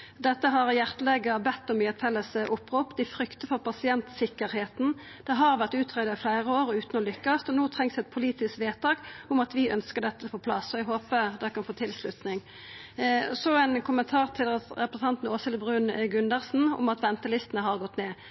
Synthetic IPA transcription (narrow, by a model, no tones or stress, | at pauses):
d̪ɛt̪ːəɦɑʁjæʁt̪əlɛɡəbɛt̪ːɔmyːɛt̪fɛlːəsʔʊpːʁuːpd̪ɪfɾʏkt̪əfɔʁpɑsɪɛnt̪sɪkːəɾheːt̪n̩ | d̪̥ɛɦɑʁʋæʁt̪ʉːt̪ʰʁeːd̪ɑɪflæɪʁəoːʁʉːt̪nɔlʏkːɑst̪ɔnoːt̪ʰʁɛŋsɛt̪̚pʰʊliːt̪ɪskʋeːt̪ɑːkʊmɑt̪ʋɪœnskəʁɖ̪ɛt̪ːəfoːpʰlɑsːɔɛɡɦoːpəd̪ɛkɑnfoːt̪ʰɪlslʉt̪nɪŋ | sɔɛnkʰʊmənt̪ʰɑːʁt̪ʰɪlʁɛpʁəs̩ɑnt̪n̩oːsəlbʁʉːnɡʉnd̪əʁsn̩ʊ̰mɑt̪ʋɛnt̪əlɪst̪ənəɦɑʁɡɔt̪neː